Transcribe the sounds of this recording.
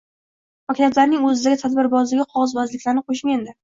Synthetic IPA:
pɒkʲʰɪlʲjat̪laɾnɪŋɵzɪd̪aɡʲɪt̪ʰad̪bɪɾbɒzlɪɡʲɪqʰɒʁɑzbɒzlɪkʲlaɾnɪqʰoʃmend̪ɪ

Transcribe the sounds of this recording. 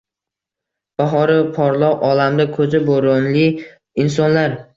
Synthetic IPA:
b̥aɦɒɾɪpʰɒɾlˠɒqʔɒlamd̪akʰɵzɪboɾʊnlɪ | ɪns̬ɒnlaɾ

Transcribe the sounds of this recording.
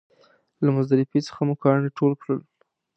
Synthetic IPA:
lamʊzd̪aɾɪfit͡sə̥xamʊkɑneʈolkɽəl

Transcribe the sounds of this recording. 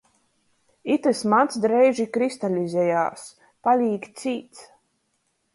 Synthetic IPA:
it̪ɨsmant̪sd̪ɾɛjʒikɾist̪alʲizʲɛja̰ːs | palʲiːkt̪sʲiːt̪s

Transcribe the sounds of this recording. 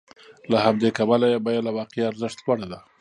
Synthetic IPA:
lahamd̪ekabalajebajalawɑqːaɾzəʃt̪waɽad̪a

